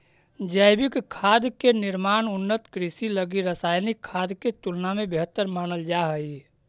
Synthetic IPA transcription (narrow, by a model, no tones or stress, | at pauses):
d͡ʒəɪbɪkkʰːaːd̪kenɪɾmaːnʊnːət̪kɾɪsiləɡiɾəsaːjnikʰːaːd̪ket̪ulnamẽbeɦət̪ːəɾmaːnəld͡ʒaɦəi